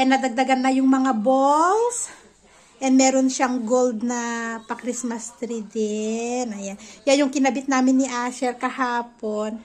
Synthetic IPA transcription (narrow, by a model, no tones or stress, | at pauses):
ʔɛnɐd̪ɐɡ̚d̪ɐɡanːɐjʊŋmɐŋabols | ʔɛnd̪mɛːɾonʃaŋɡold̪̚nɐpɐkɾɪsmɐst̪ɾid̪ɛnɐjanjajʊŋkɪnɐbɪt̪̚naːmɪnːɪʔaːʃɛɾkɐhaːpon